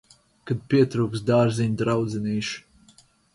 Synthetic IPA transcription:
kad̪̚pʲiɛt̪ɾuːksd̪aːɾziɲd̪ɾawd̪zɛniːʃ

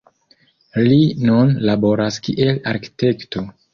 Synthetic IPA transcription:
linunlabo̞ɾaskiʔe̞laɾki̥te̞kto̞

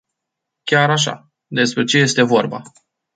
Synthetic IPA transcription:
kʲaɾaʃ̬a̰ | d̪e̞spɾe̞t͡ʃe̞je̞st̪e̞vo̞rba̰

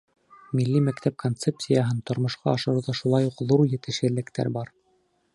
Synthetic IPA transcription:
milːimækt̪æp̚kʰont̪sep̚sʲijɑɦɤnt̪ŏɾmŏʃqɑɑʃɤ̆ɾɤwðɑʃulˠɑjuqðuɾjɘ̆t̪ɘ̆ʃɘ̆lːɘ̆kt̪æ̰ɾbɑɾ

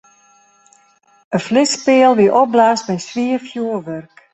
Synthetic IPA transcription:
əflɪspɪəlˠʋiəʔɔp̚blaːstbɛjsʋiəfjuəʋørk

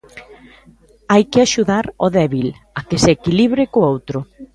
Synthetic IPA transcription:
ajkɪaʃuðaɾoðɛβil | akeseːkiliβɾɪkoowt̪ɾʊ

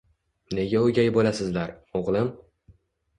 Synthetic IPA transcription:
ne̞ɡʲaʊɡʲajbolasɪzlaɾoʁlˠɪm

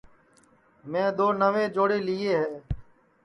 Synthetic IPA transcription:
mɛ̃ːd̪oːnəʋẽːd͡ʒoːɽeːlɪeːɦɛː

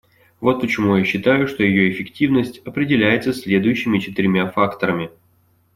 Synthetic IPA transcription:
vo̞t̪̚pət͡ɕɪmujaɕːɪt̪ajʊʂt̪o̞jɪjo̞ɪfʲɪktʲivnəsʲtʲɐpɾʲɪdʲɪlʲæjɪt̪səsʲlʲe̞d̪ʊjʉɕːɪmʲɪt͡ɕɪt̪ɪɾʲmʲafakt̪əɾəmʲɪ

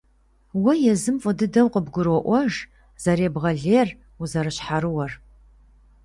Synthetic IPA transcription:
wɐjɛzɨmfʼʊdɨdɐwqəbɡʷʊɾɔʔʷɔʒ | z̥ɐɾeːbʁɐɮeːr | uzɐɾɨɕħaɾɨwɐr

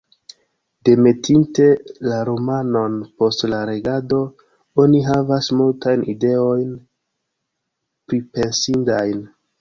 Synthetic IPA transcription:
de̞me̞tʰinte̞laɾomano̞npo̞stlaɾe̞ɡado̞ | o̞niɦavasmultajnʔide̞o̞jn | pɾipe̞nsindajn

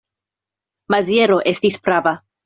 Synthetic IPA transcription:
mazjeɾo̞ʔe̞stispɾava

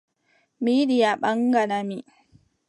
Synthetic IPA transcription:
miːɗɪjaɓɐŋɡɐnami

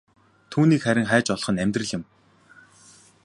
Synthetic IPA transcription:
t̪ʰuːniːkχæɾʲɪ̆ŋχæːt͡ɕɔɮχə̆næmʲt̪rə̆ɮɪ̆m

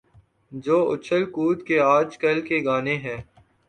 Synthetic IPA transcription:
d͡ʒoːʊ̰t͡ʃʰəlkuːt̪keaːd͡ʒkɐlkeɡaːneɦɛː

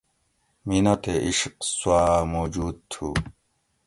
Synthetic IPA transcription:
minot̪eʔiʂqswaːmoːd͡ʑuːd̪̚t̪ʰu

